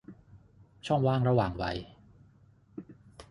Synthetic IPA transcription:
t͡ɕʰɔ˥˩ŋwaː˥˩ŋɾa˧waː˨˩ŋwa̰˧j

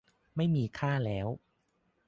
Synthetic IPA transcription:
ma˥˩jmiː˧kʰaː˥˩lɛː˦˥w

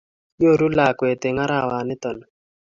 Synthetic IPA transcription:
ɲo˦˨ɾu˦la˨kwe˨t̪ɪ˨ŋa˦ɾa˦˨wa˨nɪ˦t̪ɔ˨nɔ˨

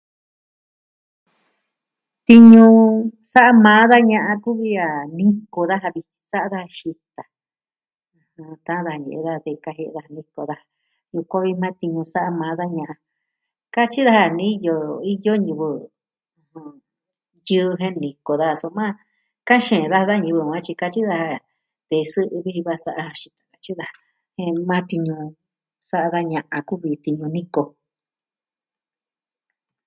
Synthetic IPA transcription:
t̪i˧ɲũ˧ | sa˦ʔa˦mãː˨˦ða˦ɲã˧ʔã˧ku˦βi˦a˨nĩ˦ko˧ða˦ɦa˧βi˧sa˦ʔa˧ða˦ha˧ʃi˧t̪a˨ | ɨ̃˧hã˧t̪ã˧˦ða˧hɲḛ̃˨˧ða˦˧ðe˧˨˧ka˧ɦe˧e˧ða˦ha˧nĩ˦ko˧ða˦ha˨ | ju˧kʷã˦βi˧mãː˦t̪i˧ɲũ˧sa˦ʔa˧mãː˨˦ða˦ɲã˧ʔã˧ | ka˦t͡ʃi˦ða˦ha˧nĩ˦˧jo˧i˦jo˦ɲũ˧βɨ̃˧ | ũ˧ | jɨ˦˧ɦẽ˦nĩ˨ko˨ða˧˨so˧mãː˦ | ka˦ʃẽ˨ða˦˧ða˦ɲɨ̃˧βɨ˧˨˧ã˦t͡ʃi˧ka˧t͡ʃi˦ða˧ha˧ | t̪e˧˨˧sɨ˦ʔβi˦˧βa˧sa˦ʔa˧a˧ʃi̥˧t̪ḁ̃˨ka˧t͡ʃi˦ða˧ | hẽ˧˦mãː˦t̪i˧ɲũ˧ | sa˦ʔa˧ða˦ɲã˧ʔã˧ku˦βi˧t̪i˧ɲũ˧nĩ˦ko˧

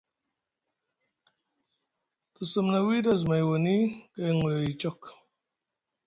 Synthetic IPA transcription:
t̪ɨ˨sɨ˨mna˨wi˦dɐ˦˨zma˨jwo˨ni˦ka˦˨jŋe˨i˨t͡ʃɔ˦k

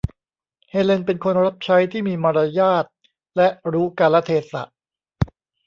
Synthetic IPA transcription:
heː˧le˧npe˧nkʰo˧nɾa˦˥p̚t͡ɕʰa˦˥jt̪ʰiː˥˩miː˧maː˧ɾa˧jaː˥˩t̪̚ | lɛ˦˥ʔɾuː˦˥ka˧lːɛ˦˥t̪ʰeː˧sa̰˨˩ʔ

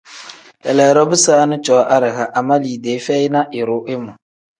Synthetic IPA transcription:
jɛ˨lɛː˨ɾɔ˦bɨ˦saː˦nɨ˦t͡ʃɔ˨˦ʔa˦ɾɪ˨ɣa˨ʔa˨ma˦liː˨deː˨˦fɛ˦ɪ˦na˦ʔɪ˨ɾʊ˨˦ʔɪ˦mʊ˨

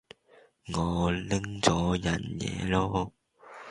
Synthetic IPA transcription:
ŋɔː˨˧lɪ˥ŋt͡sɔː˨˥jɐ˨˩njɛ̰ː˨˧lɔː˥

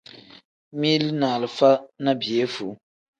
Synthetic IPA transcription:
mi˦lnaː˨lɨ˨fa˦na˦bi˨e˦fu˨˦

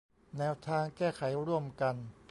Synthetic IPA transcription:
nɛː˧wt̪ʰaː˧ŋkɛː˥˩kʰa˩˦jɾu˥˩əmka˧n

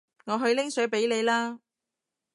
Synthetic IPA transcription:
ŋɔː˨˧ɦɵ˧ɥlɪ˥ŋsɵ˨˥ɥpe˨˥jle˨˧jlaː˥

